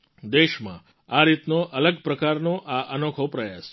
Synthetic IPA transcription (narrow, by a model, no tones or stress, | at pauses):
d̪eʃmã̰ | aɾit̪noʔələɡpɾəkaɾnoʔaʔənokʰopɾəjas